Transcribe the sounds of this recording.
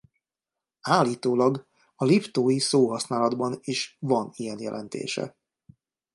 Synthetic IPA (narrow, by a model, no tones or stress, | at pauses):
aːlːiːt̪oːlɒɡ | ɒlipt̪oːjisoːɦɒsnaːlɒd̪bɒniʃʋɒnijɛnjɛ̰lʔɛ̰nt̪ḛːʃɛ̰